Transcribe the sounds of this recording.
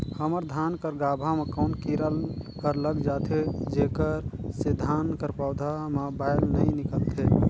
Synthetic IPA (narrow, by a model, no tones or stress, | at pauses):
həməɾd̪ʱankəɾɡabʱamekəʊnkiɾəlkəɾləɡd͡ʒat̪ʰɦed͡ʒekəɾsed̪ʱankəɾpawd̪ʱamebajlnəjnikəlt̪ʰe